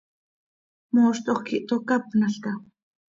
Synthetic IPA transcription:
moːʃt̪oχkiʔt̪okapnaɬt̪a

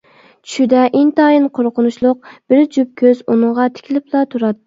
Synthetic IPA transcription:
t͡ʃʰy̥ʃyd̪ɛʔint̪ɑːjinqʰoɾqʰʊnuʃlˠʊq̚b̥ɪɾd͡ʒyp̚kʲʰøzunɨɴʁɑt̪ʰɪ̥kʲʰilɪplˠɑt̪ʰuɾɑt̪ː

